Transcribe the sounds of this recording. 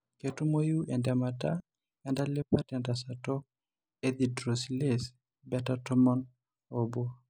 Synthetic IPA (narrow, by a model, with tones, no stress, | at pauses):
ke˨tu˦mo˦ju˦ɛ˨ndɛ˨mata˦ | ɛnda˦le˦pa˦tɛ˨nda˨sa˨tɔ˦ | ed̪i˨dɾo˨siles | bɛtatɔ˦mɔ˦n | obo˦